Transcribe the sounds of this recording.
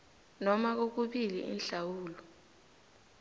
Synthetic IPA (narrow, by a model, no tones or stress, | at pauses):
nɔmak̬ok̬uɓilḭʔḭnɬawuːlɔ